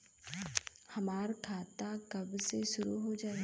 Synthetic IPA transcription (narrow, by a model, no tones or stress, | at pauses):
hɐmaːɾkʰaːt̪akɐbseʃʊɾuɦod͡ʒaːe